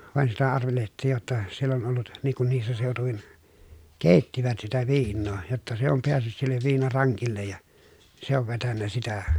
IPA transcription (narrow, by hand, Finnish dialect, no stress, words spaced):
ʋɑˑen sitæ ɑrʋelehĕtˑiːj jotːɑ sielː on olːut niːŋ kun niːsːæ seˑotuʋin keˑitːiʋæt sitæ ʋiːnːoː jotːɑ se om peæsːyt silːeʋ ʋiːnɑrɑŋkilːej jɑ se oʋ ʋetænːæ sitæ